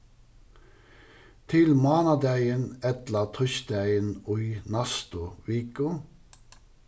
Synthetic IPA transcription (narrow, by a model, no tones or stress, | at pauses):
t̪ʰɪlmɑːnɑd̪æɪənɛt̪lɑt̪ʰœçd̪æɪənʊʏnɑst̪ʊʋiːkʊ